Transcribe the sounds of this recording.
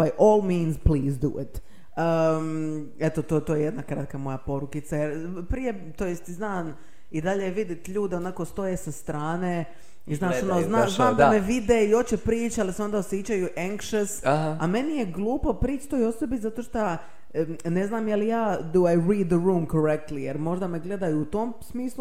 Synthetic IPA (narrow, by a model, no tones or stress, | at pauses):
bajʔoːlˠmĩːnzpliːzd̪ṵɪ̰t̪ | ə | et̪ot̪ot̪oːjejed̪nakɾat̪kamo̞japo̞ɾukit̪sajeɾpɾije | t̪ojest̪iznaːn | id̪aʎeʋid̪it̪ʎuːd̪eo̞nako̞st̪o̞jesast̪ɾaːneː | iznaːʃionoznaznaːd̪aameʋid̪eio̞t͡ɕepɾiːt͡ʃealiseo̞nd̪aosjet͡ɕajuʔɛŋkʃəsame̞nijeɡlˠuːpo̞pɾiːt͡ʃt̪ojosobizat̪o̞ʃt̪a | ne̞znaːmjelijaːd̪uajɾiːd̪ːəɾuːmkoɾek̚t̪lijeɾmo̞ʒd̪ameɡle̞d̪ajuːt̪oːmsmiːslˠu